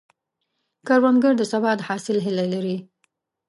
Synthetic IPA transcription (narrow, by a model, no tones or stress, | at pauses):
kaɾwanɡəɽd̪əsabɑt̪hɑsɪlɦɪlalaɾi